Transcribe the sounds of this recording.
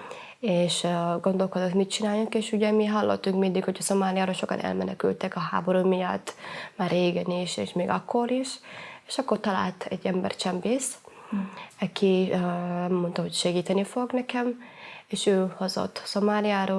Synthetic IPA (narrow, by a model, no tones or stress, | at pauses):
eːʃɡo̞nd̪o̞lko̞d̪ot̪mit̪t͡ʃinaːjukeːʃuɟɛmiɦɒlːo̰t̪ːuŋkmind̪ikhocʰɒso̞maːlijaːɾoːlʃo̞kɒ̰nʔɛ̰lmɛ̰nɛkylt̪ɛkɒɦa̰ːbo̞ɾuːmijɒt̪ːmaːrːeːɡɛniʃḛːʃmeːɡɒkʰːoɾiʃeːʃɒkːort̪ɒla̰ːlt̪ɛ̰ɟːɛmbɛ̰rt͡ʃɛmpeːst̪ | ɛkʰi | mːo̞nt̪ɒɦo̞cʃɛɡiːt̪ɛnifo̞ɡnɛkɛm | eːʃøːho̞zo̰t̪ːso̞maːliaːɾoː